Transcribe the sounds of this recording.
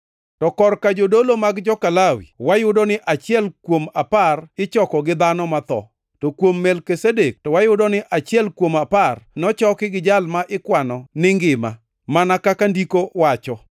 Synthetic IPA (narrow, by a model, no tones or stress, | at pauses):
tɔkɔrkad͡ʒodolomaɡd͡ʒɔkalawḭwajʊdɔnɪʔat͡ʃɪɛlkwomaparɪt͡ʃɔkɔɡɪd̪anɔmat̪ɔ̰ | tokwomːɛlkesedek̚tɔwajʊdɔnɪʔat͡ʃɪɛlkwomaparnɔt͡ʃɔkɪɡɪd͡ʒalmaʔɪkwanɔnɪŋɡɪma | manakakandikowat͡ʃɔ